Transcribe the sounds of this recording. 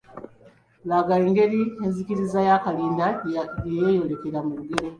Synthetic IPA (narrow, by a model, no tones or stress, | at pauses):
laɡaliŋɡe̞ɾienzikiɾizajakaliːndaejejo̞le̞ke̞ɾamuluɡeɾo